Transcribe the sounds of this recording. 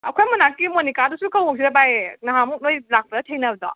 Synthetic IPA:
ɐkʰojmɐnakːimonikadusukʰawmok̚s̬iɾabajnɐɦamuk̚nojlak̚pɐdɐtʰejnɐbdɔ̰

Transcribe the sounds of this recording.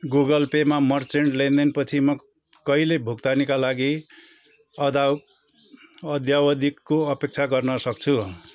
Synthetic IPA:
ɡuɡʌlpemamʌrt͡seɳɖlend̪enpʌt͡sʰimʌ | kʌilebʱuɡt̪anikalaɡi | ʌd̪a | ʌd̪jawʌd̪ikːoʌpek̚t͡sʰaɡʌrnʌsʌk̚t͡sʰu

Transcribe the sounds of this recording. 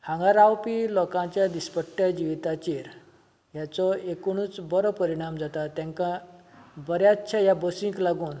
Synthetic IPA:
hãŋɡaɾawpilɔkãt͡ɕjad̪ispəʈːjad͡ʑiʋit̪at͡ɕiɾ | jat͡sɔekoɽ̃uːt͡sbɔɾɔpəɾiɽ̃amd͡zat̪at̪jãŋkã | bəɾjatːɕʰajabɔsĩŋklaɡuːn

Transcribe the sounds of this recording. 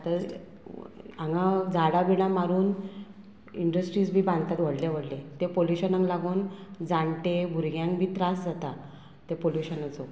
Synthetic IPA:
t̪əɾ | aŋɡad͡zaɽabiɽ̃ãmaɾuːn | iɳɖəsʈɾiːt͡sbʱiːbãnd̪t̪at̪ʋəɽlaʋəɽlet̪epoljuɕənə̃ŋlaɡuːnd͡zãɳʈebʱuɾɡjãŋkbʱiːt̪ɾasd͡zat̪a | t̪epoljuɕənəd͡zo

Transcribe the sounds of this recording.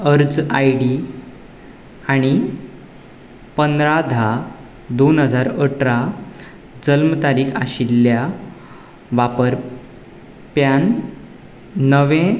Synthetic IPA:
əɾd͡zajɽi | aɽ̃i | pənd̪ɾad̪ʱa | d̪onɦəd͡zaɾəʈɾa | d͡zəlmt̪aɾiːkʰa̰ɕilːja | ʋapəɾ | pjan | əʋẽ

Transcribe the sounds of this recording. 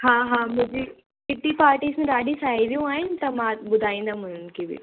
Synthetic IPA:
ɦãːɦãmʊ̃d͡ʑi | kɪʈipaːɾʈiːsmẽɾaːɖisaːiʋijũaːɦɪnɪ̆t̪ɐmãbʊd̪ʱaːĩːn̆d̪am̤ʊn̤ʊn̆kʰeːbḭ

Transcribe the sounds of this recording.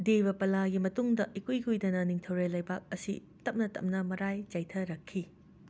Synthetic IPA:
dejbɐpɐlaɡimɐtuŋdɐʔikujɡujdɐnɐniŋtʰɐwɾelɐjbak̚ɐsḭ | tɐp̚nɐtɐ̰m̚nɐmɐɾajt͡ʃɐjtʰɐɾɐkʰːi

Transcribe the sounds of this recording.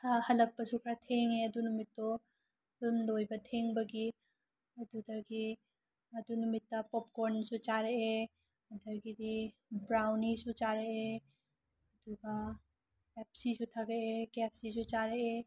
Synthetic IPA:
hɐlək̚pəsukʰɾat̪ʰeŋeɐd̪unumit̪ːɔ | pʰilmd̪ojbat̪ʰeŋbəɡi | ɐd̪ud̪ɐɡi | ɐd̪unumit̪ːapɔp̚koɾnsut͡ʃaɾee | ɐd̪ɐɡid̪i | bɾawnisut͡ʃaɾee | ɐd̪uɡa | epʰsisut̪ʰaɡəekepʰsisut͡ʃaɾee

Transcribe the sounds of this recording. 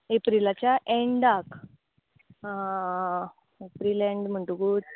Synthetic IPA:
epɾilat͡ɕjaʔẽɳɖak | epɾilẽɳɖm̤əɳʈũɡuːd

